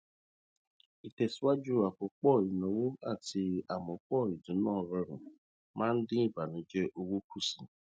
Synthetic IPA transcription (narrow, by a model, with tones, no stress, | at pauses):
i˨tɛ˨si˨˦wa˦d͡ʒu˦˨a˨k͡po˨˦k͡pɔ˦˨i˨nɔ̃˨˦wo˦a˦˨ti˧a˨mɔ̃˨˦k͡pɔ˦˨i˨dũ˨˦nãː˦˨ɾɛ˧ɾṵ̃˨ | mãː˦n̩˦dĩ˦i˦˨ba˨nĩ˨˦d͡ʒɛ˦ʔo˧wo˦kʰu˦˨sĩ˨